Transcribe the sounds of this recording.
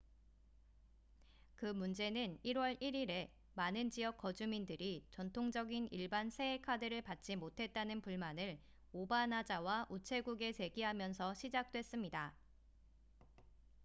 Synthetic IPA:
kɯmund͡ʑe̞nɯniɾwʌɾiɾiɾe̞ | manɯnd͡ʑijʌk͈ʌd͡ʑumindɯɾit͡ɕʌntʰoŋd͡ʑʌɡiniɭbansʰe̞ekʰadɯɾɯɭpat̚t͡ɕ͈imotʰe̞t̚t͈anɯnpuɭmanɯɭ | obanad͡ʑawaʔut͡ɕʰe̞ɡuɡe̞se̞ɡiɦamjʌnsʰʌɕʰid͡ʑak̚t͈we̞s͈ɯmɲida

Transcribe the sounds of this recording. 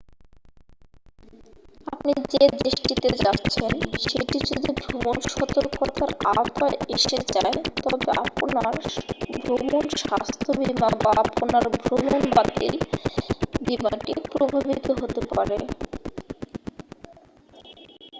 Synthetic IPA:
apnid͡ʑed̪ɾiʃʈit̪ed͡ʑat̪ːɕʰenʃeʈid͡ʑod̪ibʱomonʃɔt̪oɾkot̪aɾat̪aeʃed͡ʑaet̪ɔbea̰ponaɾbʱɾomonʃʃast̪ʰobimabaaponaɾbʱɾomonbat̪ḭɾ | bimaʈipɾobʱabit̪oɦot̪epaɾe

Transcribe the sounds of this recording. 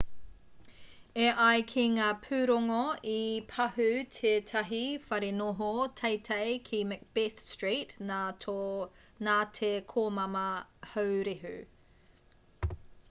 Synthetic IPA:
eʔɐjkʰiŋaːpʰʉːɾoŋoipʰɐhʉtʰeːtʰɐɦifɐɾenoɦotʰɐjtʰɐjkʰimɛk̚b̥iθstɹitno | naːtʰekʰoːmɐmɐhɐwɾeɦʉ̰

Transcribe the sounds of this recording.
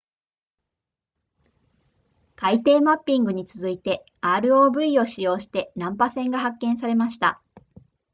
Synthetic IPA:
kait̪e̞ːmapʲːĩŋɡɯ̟ɲ̟it͡sɨzɨit̪e̞ | aːɾɯ̟o̞ːbɯ̟io̞ɕijo̞ːɕi̥t̪e̞nãmpasẽ̞ŋɡaɦakːẽɰ̃saɾe̞maɕi̥t̪a

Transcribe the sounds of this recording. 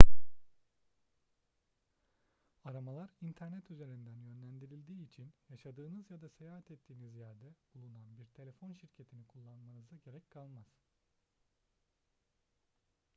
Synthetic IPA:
aɾamalˠaɾint̪ʰæɾnɛt̪ʰyze̞ɾind̪ænjø̞nlʲænd̪iɾilʲd̪iːit͡ʃʰinjaʃad̪ɯːnɯzjad̪ase̞jaːɦat̪ʰɛt̪ʰːiːnizjaɾd̪ɛbulˠunanbiɾt̪ʰe̞lʲe̞fo̞nʃiɾcʰe̞t̪ʰinikʰulˠːanmanɯzaɟe̞ɾɛcʲkʰalˠmaz̥

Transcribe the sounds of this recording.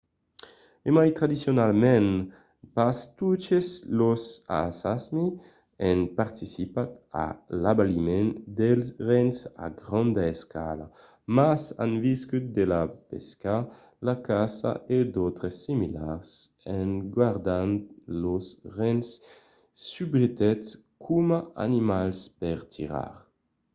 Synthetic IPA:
emajt̪ɾad̪isjonalmɛn | past̪ut͡ʃeslosa̰sasmi | ɛnpaɾt̪isipat̪a̰labalimɛnd̪ɛlsrɛnsa̰ɡɾɔnd̪aeska̰la | masa̰nviskyt̪̚d̪elapḛska | lakasa̰ed̪ot̪ɾəsːimilaʁs | ɛnɡwaʁd̪anlosʁɛnsː | ybʁit̪ɛt̪s | kʰumaa̰nimalspɛʁt̪ʰiʁa̰ʁ

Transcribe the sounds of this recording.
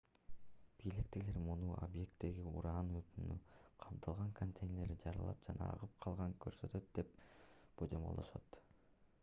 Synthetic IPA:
b̥ijlikt̪iɡile̞ɾmunuo̰bje̞k̚t̪ːe̞ɡiṵɾɑːnøt̪ynyqʰɑmt̪ʰɑlˠʁɑŋkʰont̪ʰejnʲeɾd͡ʒɑɾɯlˠɑ̰p̚d͡ʒɑnɑ̰ɑ̰ʁɯp̚qʰɑlˠʁɑŋkøɾsø̞t̪ø̞t̪̚d̪e̞p̚b̥od͡ʒombolˠd̪oʃo̰t̪

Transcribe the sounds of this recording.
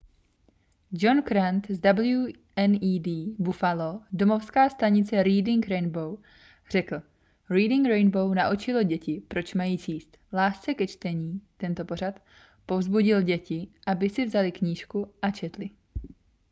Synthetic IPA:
d͡ʒo̞nkɾant̪zdabl̩ju | ʔɛniːdiːbufalodomo̞fskaːst̪aɲɪt͡sɛɾiːdɪŋkɾɛjnbow | r̝̥ɛkl̩ | ɾiːdɪŋkɾɛjnbownaʔut͡ʃɪlo̞ɟɛcɪpɾo̞t͡ʃmajiːt͡ʃiːst̪laːst͡sɛkɛt͡ʃt̪ɛɲiːt̪ɛnt̪o̞po̞ɾ̝at̪ | po̞vzbuɟɪlɟɛcɪʔabɪsɪvzalɪkɲiːʃkuʔat͡ʃɛt̪lɪ

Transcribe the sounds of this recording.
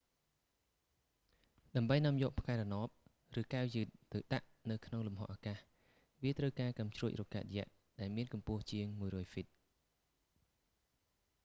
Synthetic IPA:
ɗaəmɓəjnŏɔəmjɔ̆ːʔpʰkaɛɾɔnoəp̚ | rɨːkawjɨːt̪̚ːɨwɗaʔnɨwkʰnoŋlumɦo̰ʔakaːh | ʋiət̪rəwkaːkamt͡ɕruəc̚rɔkaːt̪̚jɛ̆əʔ | ɗaɛlmiənkɑmpʊ̆əht͡ɕiəŋmuəjrɔːjfit̪̚

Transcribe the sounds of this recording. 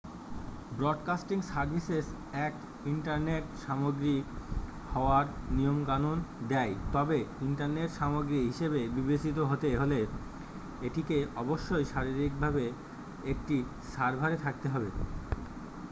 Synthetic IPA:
bɾɔɖkasʈiŋsaɾbʱises | ɛk | iɳʈaɾneʈʃamoɡɾi | hɔoaɾnijomkanond̪ɛjt̪ɔbeiɳʈaɾneʈʃamoɡɾiɦiʃebebibet͡ɕit̪̬oɦot̪eɦole | eʈikeɔboʃːojʃaɾiɾik̚bʱabe | ek̚ʈi | ʃaɾbʱaɾet̪ʰak̚t̪eɦɔbe

